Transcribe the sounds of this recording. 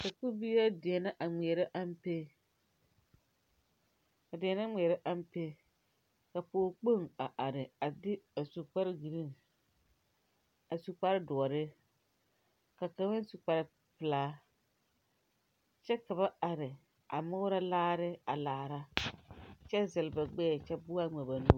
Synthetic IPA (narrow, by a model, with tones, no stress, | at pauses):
ka˨ku˦bi˦a˦dɪ˨ɛ˨na˦ʔa˨ŋ͡mi˨ɛ˨ɾa˦ʔa˦m˦pe˦ | ka˨dɪ˨ɛ˨na˦ŋ͡mi˨ɛ˨ɾa˦ʔa˦m˦pe˦ | ka˨poː˦k͡po˦˨ŋa˨ʔa˨ɾɪ˨a˨dɪ˦a˨su˨k͡pa˦ɾɪ˦ɡi˨ɾi˦˨ŋ | a˨su˨k͡pa˦ɾɪ˦dʊ˨ɔ˨ɾɪ˦ | ka˨ka˦mɪ˦n˦su˨k͡pa˨ɾɪ˨ | pɪ˨laː˦ | t͡ʃɛ˦ka˨ba˦a˨ɾɪ˨ | a̰˨mʊ˦ɾa˦laː˦ɾɪ˦a˨laː˨ɾa˦ | t͡ʃɛ˦zɪ˨lba˨ɡ͡bɛː˦˨t͡ʃɛ˦bʊ˦a˦ŋɛ˨ba˨nu˦